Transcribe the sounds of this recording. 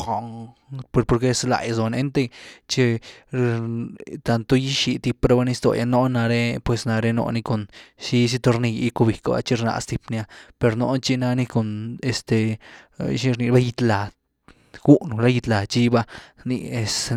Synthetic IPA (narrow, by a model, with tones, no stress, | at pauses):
xo˨ŋpo˧ɾpo˧ɾke˦sla̰˨jzo˨ne˧˦nt̪e˦t͡ʃe˧ | t̪a˧nt̪o˦ji˦ʃi˧˨t̪i˧pɾa˧ba˦ni˦˧st̪o̰˨jʔa̰˧no˦na˧ɾe˧pwe˧sna˧ɾe˦no̰˧ni˧ko˨nʃi˧s̬i˦t̪o˧ɾni˧ji˦ko˧bi˨˧ka˨ba̰˧t͡ʃi˦ɾna̰˧st̪i˧pni˧a˦pe˧ɾno̰˧˦t͡ʃi˧na˧ni˦˧ko˨ne˨st̪ḛ˨˧ | ʃi˦˧ɾni˧ba˦ji˧t̪la˨ | ɡu˦nu˨la˦ji˧t̪la˨t͡ʃi˦ba˦˧nḭ˧e˧s